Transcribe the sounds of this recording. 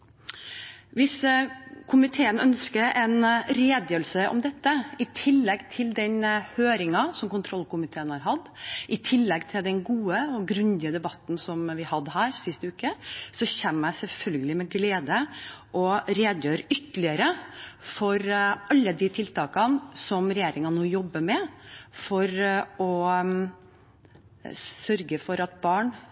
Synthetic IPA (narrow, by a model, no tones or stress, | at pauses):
ʋɪskʰʊmɪt̪ʰeːənœnskəɾɛnɾeːd̪jøːɾəlsəʔɔ̰md̪ɛt̪ːəɪt̪ʰɪlːɛɡt̪ʰɪld̪ɛnhøːɾɪŋɑsɔmkʊnt̪ʰɾɔlːkʊmɪt̪ʰeːənhɑɾɦɑd̪ːʔɪt̪ʰɪlːɛɡt̪ʰɪld̪ɛnɡuːəɔɡɾʉnd̪ɪəd̪ɛbɑt̪ːn̩sɔmʋɪhɑd̪ːɦæːɾsɪst̪əʉːkəsɔçɛmːæɪsɛlfœlɡəlɪmɛɡleːd̪əʔɔɾeːd̪jøːɾəʔʏt̪ːəlɪəɾəfɔɾʔɑlːəd̪ɪt̪ʰɪlt̪ɑːkɑnsɔmɾɛjeːɾɪŋɑnuːjɔbːəmɛfɔɾɔ | sœɾɡəfɔɾɑt̪̚bɑːɳ